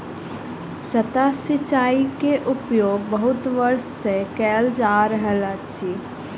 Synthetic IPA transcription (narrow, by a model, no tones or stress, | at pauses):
sət̪asɪt͡ʃaːikeʔʊpjoːɡ̚bɐɦʊt̪ʋəɾʃːekɛːld͡ʒaːɾəɦɛlat͡ʃi